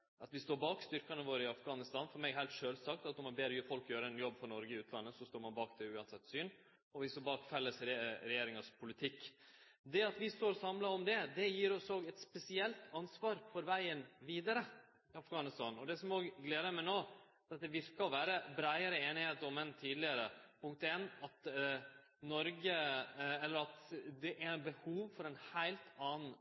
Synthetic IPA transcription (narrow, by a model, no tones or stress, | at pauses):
ʔɑt̪ʋɪst̪oːɾbɑːkst̪ʏɾkɑnəʋoːɾəɪɑfɡɑːnɪst̪ɑːnfɔɾmɛɡɦæɪlt̪ʂøːlsɑk̚t̪ɑt̪ʊmɑɾbeːd̪ɾɔjʉfɔlkjøːɾəɛnjɔbːfɔɾɳɔɾɡəɪʉːt̪ʰlɑnːəsɔst̪oːɾmɑnbɑːkd̪ɛʉːɑnsɛt̪ːsyːn | ɔʋɪstoːbɑːkfɛlːəsɾɾɛjeːɾɪŋɑspʰʊlɪt̪ʰɪkː | d̪ɛɑt̪ʋɪst̪oːɾɔsɑmlɑɔmd̪ɛd̪ɛjiːɾɔsoːɡɛt̪spɛsɪɛlt̪ʰɑnsʋɑːɾfɔɾʋæɪənʋiːd̪ɑɾə | ɪɑfɡɑːnɪst̪ɑːnɔd̪ɛsɔmoːɡɡleːd̪əmɛnoː | ɛɾɑt̪̚d̪ɛʋɪɾkəɔʋæːɾəbɾæɪəɾəeːnɪheːt̪ɔmɛnt̪ʰiːd̪lɪəɾəpʰʊŋk̚t̪ɛnɑt̪ | nɔɾɡəɛlːəɾɑt̪d̪ɛʔæɾbəhuːʋfɔɾɛnhæɪlt̪ɑːnn̩